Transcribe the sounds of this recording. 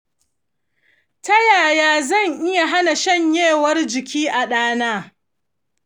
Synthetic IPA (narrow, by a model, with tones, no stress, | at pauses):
tɐ˦jaː˨jaː˦zɐ˦˨ŋʔɪ˦ja˨ɦa˦na˨ʃɐ˦˨ɲjeː˦˨wɐ˦rd͡ʒɪ˨kʲʰiː˦ʔa˨ɗaː˦naː˦